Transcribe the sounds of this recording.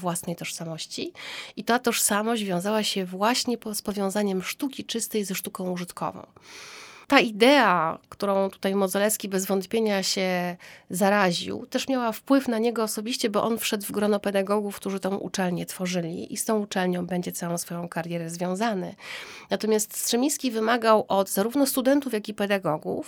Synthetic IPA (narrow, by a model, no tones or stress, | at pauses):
vwasnɛjt̪ɔʂsamɔɕt͡ɕiit̪at̪ɔʂsamɔɕʑd͡ʑvʲjɔ̃w̃zawaɕɛvwaɕɲɛpɔspɔvʲjɔ̃w̃zaɲɛmʂt̪ukʲit͡ʂɘst̪ɛjzɛʂt̪ukɔ̃w̃uʐɘt̪kʰɔ̰vɔ̰̃w̃ | t̪aid̪ɛakt̪uɾɔ̃w̃t̪u̥t̪ajmɔd̪zɔlɛskʲibɛzvɔnt̪pʲjeɲaɕɛzaɾaʑḭwt̪ɛʂmʲjawafpwɘfnaɲɛɡɔːsɔbʲiɕt͡ɕɛbɔʔɔnfʂɛd̪vɡɾɔnɔpɛd̪aɡɔɡufkt̪uʐɘt̪ɔ̃w̃ʔṵt͡ʂɛlɲɛt̪fɔʐɘlʲḭʔist̪ɔ̃w̃ut͡ʂɛlɲɔ̃w̃bɛɲd͡ʑɛt̪sawɔ̃w̃sfɔjɔ̃w̃kaɾjɛɾɛzvʲjɔ̃w̃zanɛ̰nat̪ɔmʲast̪st̪ʂɛmʲĩskʲivɘmaɡawʔɔd̪zaɾuvnɔst̪ud̪ɛnt̪ufjakʲipɛd̪aɡɔɡṵf